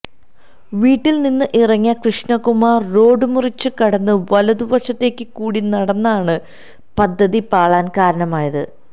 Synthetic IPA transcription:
ʋiːʈːilninːɨʔirɐŋːjɐkrɨʂɳɐkumaːrːo̞ːɖɨmurit͡ɕːɨkɐɽɐnːɨʋɐlɐðuʋɐɕɐt̪ːe̞ːkʲːɨkuːɽinɐɽɐnːɐaːɳɨ | pɐd̪ʱːɐðipaːɭaːnkaːɾɐɳɐmaːjɐðɨ

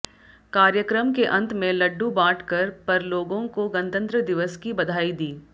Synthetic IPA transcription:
kaːɾjəkɾəmkeʔɐ̃nt̪mẽlɐɖːubãːʈʰkɐɾpɐɾloːɡõkoɡɐ̃nt̪ə̃nt̪ɾəd̪ɪʋəskibɐd̪ʱaːid̪iː

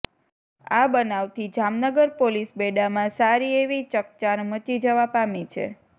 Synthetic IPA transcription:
a̰bənaʋt̪ʰid͡ʒamnəɡəɾpolisbeɖamãsaɾieʋit͡ʃəkt͡ʃanmət͡ʃid͡ʒəʋapamit͡ʃʰḛ

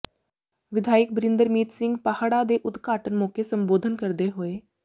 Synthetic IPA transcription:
ʋɪd̪ʱaːɪk̚bɾɪ̃nd̪əɾmiːt̪sɪ̃ŋɡpahaːɽad̪eʔʊt̪kaːʈənmõːkesə̃mboːd̪ʱənkəɾd̪eɦoeː

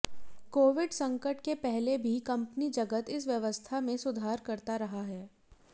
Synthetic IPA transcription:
koːʋɪɖsɐ̃ŋkəʈkepɛɦlebʱikɐ̃mpnid͡ʒɐɡət̪ɪs̬ʋjɐʋəst̪ʰamẽsʊd̪ʱaːɾkɐɾt̪aɾɐɦaɦɛː

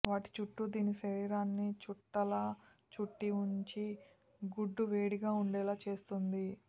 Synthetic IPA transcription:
ʋaːʈi̥t͡ʃuʈːud̪iːniʃɐɾiːɾaːnːit͡ʃuʈːɐlɐ | t͡ʃuʈːiuɲt͡ʃi | ɡuɖːuʋeːɽiɡaːuɳɖɛːlaːt͡ʃe̞ːst̪und̪i

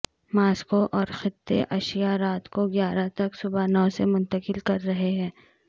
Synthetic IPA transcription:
maːskoʔɔːɾxɪt̪ːḛʔɐʃijaɾaːt̪koɡjaːɾat̪ɐksʊbanɔːsemʊ̃nt̪əkɪlkɐɾːɐɦeɦɛ̃ː

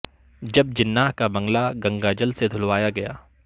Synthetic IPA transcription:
d͡ʒɐb̚d͡ʒɪnːaːɦkabɐ̃ŋɡlaɡɐ̃ŋɡaːd͡ʒəlsed̪ʱʊlwaːjaɡɐja̰ː

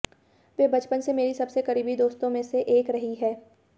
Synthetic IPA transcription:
ʋeːbɐt͡ʃpənsemeːɾisɐbsekɐɾiːbid̪oːst̪õmẽseʔeːkɾɐɦiɦɛː

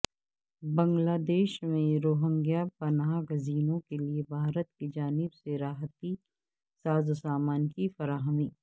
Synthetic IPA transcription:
bɐ̃ŋɡlaːd̪eːʃmẽɾoːɦə̃ŋɡijapɐnaːɡɐziːnõkeliebʱaːɾət̪̚kid͡ʒaːnɪbseɾaːɦət̪i | saːzosaːmaːnkifɐɾaːɦəmiː

